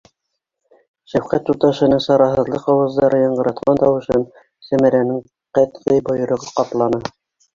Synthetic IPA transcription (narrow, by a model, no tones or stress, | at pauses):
ʃæfqæt̪ːut̪ɑʃɤ̆nɤŋsɑɾɑɦɤ̆ðlˠɤqɑwɤ̆zd̪ɑɾʔɤjɑɴɢɤ̆ɾɑt̪̚qɑnt̪ɑwɤ̆ʃɤn | sæmæɾænɘŋ | qæt̪ʁɘjbɤ̆jɤ̆ɾɤ̆ʁɤqɑp̪lˠɑnɤ